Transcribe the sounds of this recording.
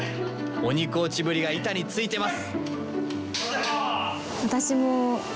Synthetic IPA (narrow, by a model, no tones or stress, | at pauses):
o̞ɲ̟ikoːt͡ɕibɯ̟ɾʲiɡait̪aɲ̟it͡sɨit̪e̞masɨ̥ | βat̪aɕimo